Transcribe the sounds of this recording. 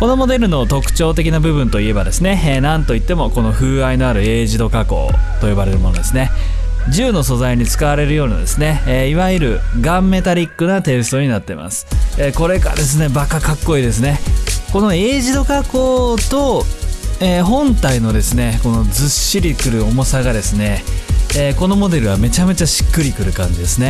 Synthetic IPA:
ko̞no̞mo̞d̪e̞ɾɯ̟no̞t̪o̞kɯ̟̥t͡ɕo̞ːt̪e̞kʲinabɯ̟bɯ̟̃nt̪o̞ie̞bad̪e̞sɨne̞eːnãnt̪o̞it̪ːe̞mo̞ko̞no̞ɸɯ̟ːaino̞aɾɯ̟e̞ːʑid̪o̞kako̞̰ːt̪o̞jo̞baɾe̞ɾɯ̟mo̞no̞d̪e̞sɨne̞ | ʑɨːno̞so̞zaiɲ̟it͡sɨ̥kaβ̞aɾe̞ɾɯ̟jo̞ːna̰d̪e̞sɨne̞ːiβaiɾɯ̟ɡãmːe̞t̪aɾʲikːɯ̟nat̪e̞ːsɨ̥t̪o̞ːɲ̟inat̪ːe̞̰ma̰sɨ̥eko̞ɾe̞ka̰d̪e̞sɨne̞bakakakːo̞iːd̪e̞s̬ɨne̞ko̞no̞e̞ːʑid̪o̞kako̞ːt̪o̞ | eːɦõ̞nt̪aino̞d̪e̞sɨne̞ko̞no̞d͡zɨɕːiɾʲikɯ̟ɾɯ̟o̞mo̞saɡad̪e̞sɨne̞ː | ko̞no̞mo̞d̪e̞ɾɯ̟βame̞t͡ɕame̞t͡ɕaɕi̥kːɯ̟ɾʲikɯ̟ɾɯ̟kãɲ̟d͡ʑid̪e̞sɨne

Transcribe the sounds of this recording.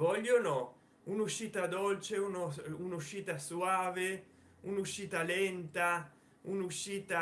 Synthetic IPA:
vɔʎːono | unuʃiːt̪ad̪olt͡ʃeunounuʃiːt̪asuaːve | unuʃiːt̪alɛnt̪a | unuʃiːt̪a

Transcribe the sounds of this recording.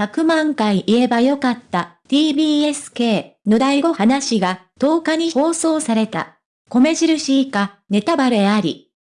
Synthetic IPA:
çakɯ̟mãŋkaiʔie̞bajo̞kat̪ːat̪ʲiːbʲiːe̞sɨ̥ke̞ːno̞d̪aiɡo̞hanaɕiɡat̪o̞ːkaɲ̟iho̞ːso̞ːsaɾe̞t̪a̰ | ko̞me̞ʑiɾɯ̟ɕiːka | ne̞t̪abaɾɯ̟aɾʲḭ

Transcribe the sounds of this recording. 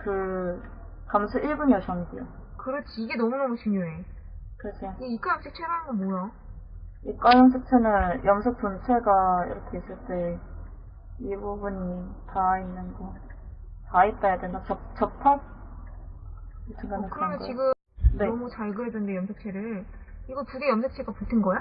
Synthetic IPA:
kɯ | kamsʰɯʔiɭbunjʌɕʰʌndijokɯɾʌt͡ɕʰiiɡe̞nʌmunʌmut͡ɕʰiɲjoe̞ | kɯɾes͈ʰejoeik͈aamɕ͈ʰik̚t͡ɕʰeɾanɯnɡʌnmoja | ik͈wajʌŋsʰɯk̚t͡ɕʰenɯnjʌmsʰɯk̚punt͡ɕʰe̞ɡaḭɾʌkʰe̞is͈ɯɭt͈e | ibubuɲitainːɯnɡʌ | tait͈ajadwendat͡ɕʌt͡ɕʌpʰa | itʰɯŋɡanɯkɯɾʌnmʌnɡt͡ɕiɡɯmne̞ʌmut͡ɕaɭɡɯɾedwendejʌmsʰɯk̚t͡ɕʰeɾɯɭiɡʌpuɡejʌmsʰok̚t͡ɕʰeɡapoɭtʰɯnɡʌja

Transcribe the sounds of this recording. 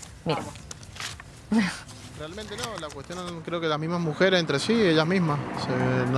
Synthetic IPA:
miɾa | m | realment̪enolakwest̪jo̞nkɾe̞o̞kelazmizmazmuxe̞ɾesent̪ɾe̞sieʝazmizmassen

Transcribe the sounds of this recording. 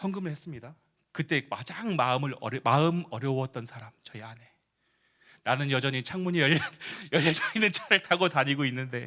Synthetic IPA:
sʰʌŋɡɯmɯɭhe̞s͈ɯmɲida | kɯt͈e̞kad͡ʑaŋmaɯmɯɾʌɾmaɯmʌɾjʌwʌt̚t͈ʌnsʰaɾamt͡ɕʌiane̞ | nanɯnjʌd͡ʑʌɲit͡ɕʰaŋmuɲijʌʎːajʌʎjasʰainɯnt͡ɕʰaɾɯɭtʰaɡotaɲiɡoinːɯnde̞

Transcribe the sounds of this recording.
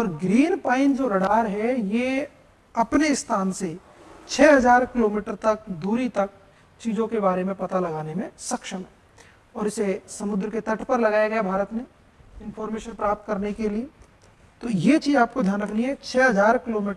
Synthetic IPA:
ɔːɾɡɾiːnpaːɪ̃nd͡ʒoːɾɐɽaːɾɦɛje | ɐpnest̪ʰaːnse | t͡ʃʰɛːɦɐzaːɾkɪloːmiːʈəɾt̪ɐk̚d̪uːɾit̪ɐk̚ | t͡ʃiːzõkebaːɾemẽpɐt̪alɐɡaːnemẽsɐkʃəmɦɛ | ɔːɾɪsesɐmʊd̪ɾəket̪ɐʈʰpɐɾlɐɡaːjaɡɐjabʱaːɾət̪mẽ | ɪ̃nfʰɔːɾmeːʃənpɾaːp̚t̪̚kɐɾnekelie | t̪ojet͡ʃiːzaːp̚kod̪ʱjaːnɾɐknɦĩɦɛt͡ʃʰɛːɦɐzaːɾkɪloːmiːʈə

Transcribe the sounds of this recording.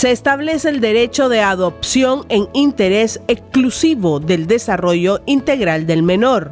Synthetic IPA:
se̞ːst̪aβle̞seːld̪e̞ɾe̞t͡ʃo̞ðe̞aðopsjo̞ŋeŋint̪e̞ɾe̞seksklusiβo̞ðe̞ld̪e̞saro̞ʝoint̪e̞ɣɾald̪e̞lme̞no̞ɾ

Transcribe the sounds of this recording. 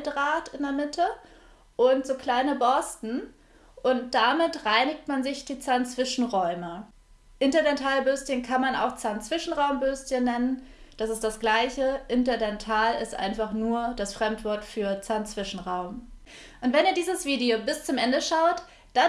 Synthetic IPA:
dʁaːtɪndeːɐmɪtʰə | ʔʊntz̥oːkl̥aɪnəbɔstn̩ | ʔʊnt̚d̥amɪtʁaɪnɪktmanzɪçd̥iːt͡saːɐnt͡sv̥ɪʃn̩ʁɔʏmə | ʔɪntɐdɛntʰaːlbøːstçənkʰanmana̰ʊxt͡saɐnt͡sv̥ɪʃn̩ʁaʊmbøːstçənːɛnənd̥asɪstd̥asɡ̥laɪçəʔɪntɐdɛntʰaːlɪstʔa̰ɪnfaχnuːɐd̥asfʁ̥ɛmtv̥ɔɐtfyːɐt͡saɐnt͡sv̥ɪʃn̩ʁaʊm | ʔʊntv̥ɛniːɐdiːzəsv̥iːdiobɪst͡sʊmʔɛndəʃaʊt | d̥a

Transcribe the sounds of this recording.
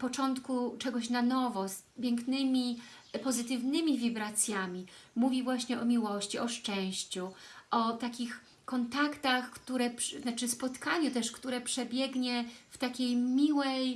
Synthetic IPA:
pɔt͡ʂɔnt̪kut͡ʂɛɡɔɕnanɔvɔs | pʲjɛŋknɘmʲi | pɔzɘt̪ɘvnɘmʲivʲibɾat̪sʲjamʲimuvʲivwaɕɲɛʔɔmʲiwɔɕt͡ɕiʔɔʂt͡ʂɛ̃w̃ɕt͡ɕuʔɔt̪akʲix | kɔnt̪akt̪axkt̪uɾɛp̪nat͡ʂɘspɔt̪kaɲut̪ɛʂkt̪uɾɛpʂɛbʲjɛɡɲɛft̪akʲejmʲiwɛj

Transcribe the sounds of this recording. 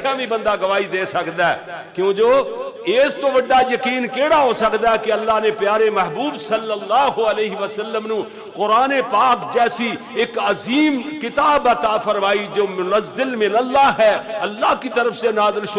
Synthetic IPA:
amĩbə̃nd̪aɡɐʋaːid̪eːsəkd̪aɛkjõːd͡ʒoːeːst̪oʋɐɖːajɐkiːnkeːɽaɦosɐkd̪aɦɛkeɐlːaːɦnepjaːɾemɛɦbuːbsɐlːəlːaːɦoəleːɦɪʋəsəlːəmnũ | qʊɾaːnepaːkd͡ʒɛːsi | ɪkəziːmkɪt̪aːbət̪aːfʰəɾmaːid͡ʒoːmʊnəzːɪlmɪnəlːaːɦɛːɐlːaːɦkit̪əɾəfsenaːzɪlʃ

